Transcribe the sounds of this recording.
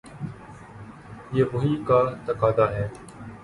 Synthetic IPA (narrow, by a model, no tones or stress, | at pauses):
jeːʋoːɦiːkaːt̪əkaːd̪aːɦɛː